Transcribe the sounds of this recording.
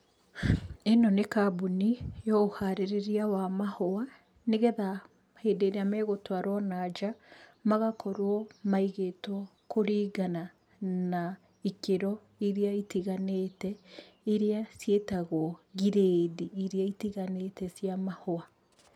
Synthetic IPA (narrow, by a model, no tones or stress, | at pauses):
enɔnekabunijɔohaɾeɾeɾiawamahoa | neɣɛða | heːdeɾeamɛɣotwaɾwɔnad͡ʒamaɣakɔɾwɔmaiɣetwɔ | koɾiːɡana | na | ikeɾɔ | iɾeaitiɣanetɛ | iɾeasjetaɣoɔɣiɾediːɾeaitiɣanetɛsjamahoa